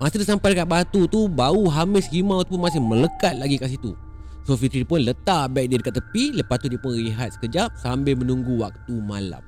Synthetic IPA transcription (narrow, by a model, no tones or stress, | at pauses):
masidəsampajdəkat̪̚bat̪ut̪ubauɦamɪshimãwt̪up̬ʊnmasɪhmələkat̪̚laɡikaʔs̬it̪ṵ | sofit̪ɾidipʊnlət̪aʔbaik̚didəkat̪ːəpiləpat̪udipʊnɾiɦat̪̚sə̥kəd͡ʒap̚sambɪlmə̃nuŋɡuwak̚t̪uma̰la̰m